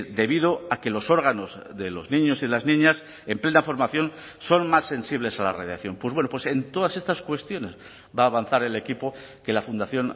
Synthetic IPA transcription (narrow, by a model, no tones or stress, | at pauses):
d̪e̞βið̞o̞ake̞lo̞so̞ɾɣ̞ano̞z | ðe̞lo̞znĩɲo̞siðe̞laznĩɲas | emplenafo̞ɾmaθjo̞n | so̞nmasːe̞nsiβ̞le̞sala̰reðjaθjo̞mpweβwe̞nopwe̞se̞nt̪o̞ð̞ase̞st̪askwe̞st̪jo̞ne̞z | βaːβan̟θaɾe̞le̞kipo̞ | ke̞lafund̪aθjo̞n